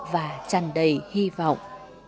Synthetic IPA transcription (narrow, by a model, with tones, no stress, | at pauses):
vaː˨˩t͡ɕa˨˧˩nɗə˨˩jhi˧vɔ̰˧˨wŋ͡m